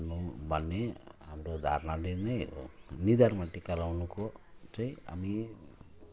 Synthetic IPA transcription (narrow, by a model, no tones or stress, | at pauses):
nubʱʌnːeɦamɾod̪ʱa̰ɾnalinʌjnid̪ʱaɾmaʈikʌlawnukot͡saĩa̰mi